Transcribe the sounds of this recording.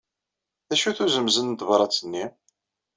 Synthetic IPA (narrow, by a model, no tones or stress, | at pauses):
ðæʃuθuzəmzənd̪vɾˤɑt͡sːənːi